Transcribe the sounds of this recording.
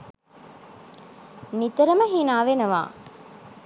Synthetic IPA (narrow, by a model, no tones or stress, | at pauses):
nit̪ɐɾəməɦinaːʋenɐʋa̰ː